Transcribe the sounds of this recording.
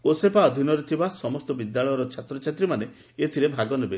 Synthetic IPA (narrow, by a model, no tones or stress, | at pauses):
osepaɔd̪ʱinɔɾet̪ʰibasɔmɔst̪ɔbid̪ːaɭɔjɔɾɔt͡ʃʰat̪ɾɔt͡ʃʰat̪ɾimane | et̪ʰiɾebʱaɡɔnebe